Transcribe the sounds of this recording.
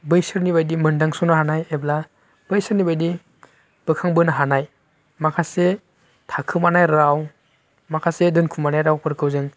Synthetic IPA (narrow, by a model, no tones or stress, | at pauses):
bɯjsɯɾnibajdimɯndaŋsɔnaɦanajebla | b̥ɯjsɯɾnibajdi | b̥ɯkʰaŋbɯnaɦanaj | makʰase | tʰakʰɯmanajɾaw | makʰasedɯnkʰumanajɾawpɯɾkʰɯwzɯŋ